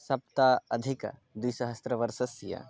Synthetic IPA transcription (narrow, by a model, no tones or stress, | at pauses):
sɐp̚t̪aɐd̪ʱikd̪wiːsɐɦɐst̪ɾəʋɐɾsɐsjɐ̰